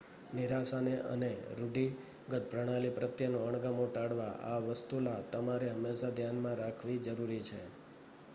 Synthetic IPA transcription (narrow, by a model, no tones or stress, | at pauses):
niɾasaneʔə̰neɾuɖi | ɡət̪̚pɾəɽ̃alipɾət̪jənõəɳ̃ɡamoʈaɽʋaʔa̰ʋəst̪ulat̪əmaɾeɦəmːeʃad̪ʱjanmãɾakʰʋid͡ʒəɾuɾit͡ʃʰe